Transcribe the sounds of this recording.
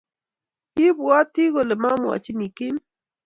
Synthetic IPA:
i˦bwa˦tɪ˦ɣo˨le˨ma˦mwa̰˨t͡ʃi˦ni˨kɪ˦n

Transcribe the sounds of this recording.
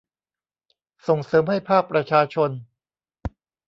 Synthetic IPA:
so˨˩ŋsɤː˩˦mha˥˩jpʰaː˥˩k̚pɾa˧t͡ɕʰaː˧t͡ɕʰo˧n

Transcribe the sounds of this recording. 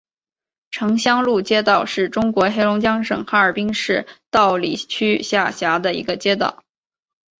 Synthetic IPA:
ʈ͡ʂʰɤ˧˥ŋɕjɑ˥ŋlu˥˩t͡ɕjɛ˥t̪ɑ˥˩ʊʂɻ̩˥˩ʈ͡ʂʊ˥ŋkwɔ˧˥xe˥ɪlʊ˧˥ŋt͡ɕjɑ˥ŋʂɤ̰˨˩ŋxa˧˥ə˞˨˩pi˥ŋʂɻ̩˥˧t̪ɑ˥˩ʊlḭ˨˩t͡ɕʰy˥ɕja˥˩ɕja˧˥d̪ə˧ḭ˧˥ɡə˧t͡ɕjɛ˥t̪̬ɑ̰˨˩˦ʊ

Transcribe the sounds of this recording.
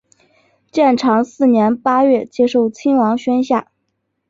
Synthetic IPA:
t͡ɕjɛ˥˩nʈ͡ʂʰɑ˧˥ŋsɹ̩˥˩njɛ˧˥npa˥ɥɛ˥˩t͡ɕjɛ˥ʂo˥˩ʊt͡ɕʰi˥ŋwɑ˧˥ŋɕɥɛ˥nɕja˥˩

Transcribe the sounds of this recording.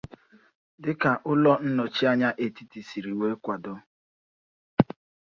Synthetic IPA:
dɪ˦ka˨ʔʊ˦lɔ˦n̩˦nɔ˨t͡ʃi˦a˦ɲa˦ʔe˨ti˦ti˨si˨ɾi˨we˦kʷa˨dʊ˦

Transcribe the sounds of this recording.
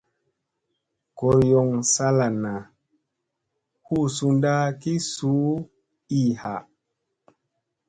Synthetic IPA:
ko˨ɾjɔ˨ŋsa˦la˨na˨ | hu˦˨su˧nda˦ki˦su˨˦ | i˦˨ha˨

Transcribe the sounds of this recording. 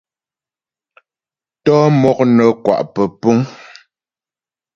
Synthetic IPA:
tɔ˦mɔ˦˨k̚nə˨kwa̰˨ʔpə˨pu˦ŋ

